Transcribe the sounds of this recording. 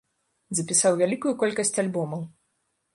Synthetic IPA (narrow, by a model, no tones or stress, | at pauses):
zɐpʲisawvʲalʲikujukɔlʲkɐsʲt͡sʲalʲbɔmɐw